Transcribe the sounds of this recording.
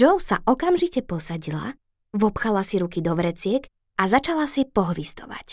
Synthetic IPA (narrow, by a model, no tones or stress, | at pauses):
d͡ʒɔʊsa̰ʔɔkamʒicɛpɔsaɟila̰ | ʋɔpxalasiɾukid̪ɔʋɾɛt͡sɪɛk | azat͡ʃalasipɔɦʋist̪ɔʋa̰c